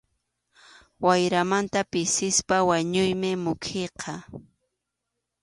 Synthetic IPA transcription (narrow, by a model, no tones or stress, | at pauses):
wajɾamant̪apɪsɪspawaɲʊjmɪmʊkʰeqʰɑ